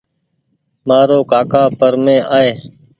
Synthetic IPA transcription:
maːɾoːkaːkaːpəɾmẽːʔaːeː

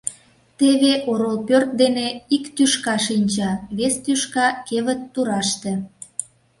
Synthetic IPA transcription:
t̪eβeʔoɾolpørt̪̚d̪eneikt̪yʃkɑʃinʲt͡ɕɑβest̪yʃkɑkeβət̪ːuɾɑʃt̪e

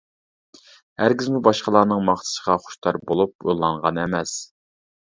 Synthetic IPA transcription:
hæɾɡʲizmubɑʃqəlˠɑːnɨŋmɑχt̪ʰɨ̥səʁɑχʊ̥ʃt̪ʰɑɾbolˠup̚o̰lˠːɑŋʁɑnɛmɛs

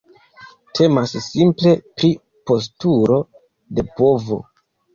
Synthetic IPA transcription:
tʰe̞masːimple̞pɾi | po̞s̬tuɾo̞ | de̞po̞vo̞̰

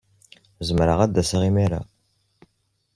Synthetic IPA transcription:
zəmɾəʁæd̪ːæsaʁimiɾa̰

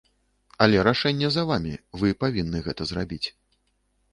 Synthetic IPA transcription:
ɐlʲɛɾaʂɛnʲːɛzɐvamʲivɨpavʲinːɨɣɛt̪ɐzrabʲit͡sʲ

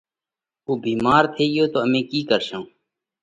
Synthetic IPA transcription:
oːbiːmaːɾt̪ʰeːijoːt̪oːəmẽːkiːkəɾʃãː

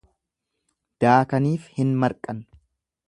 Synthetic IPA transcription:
d̪̥aːkɐniːfhɪnmɐɾkʼɐn

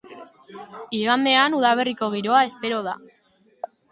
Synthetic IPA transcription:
iɣand̪e̞anuðaβ̞e̞riko̞ɣ̞iɾo̞ae̞spe̞ɾo̞ð̞a̰

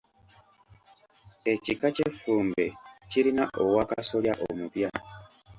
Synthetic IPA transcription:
e̞cikacefuːmbe̞ciɾinaʔowaka̰so̞ljaʔo̰mupja

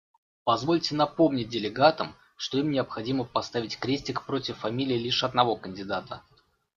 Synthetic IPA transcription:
pɐzvo̞lʲtʲɪnɐpo̞mnʲɪt̚ʲdʲɪlʲɪɡat̪əm | ʂt̪o̞imnʲɪəpxɐdʲiməpɐst̪avʲɪtʲkɾʲetʲɪkpɾo̞tʲɪfːɐmʲilʲɪːlʲiʂɐd̪̚nɐvo̞kənʲdʲɪd̪at̪ə

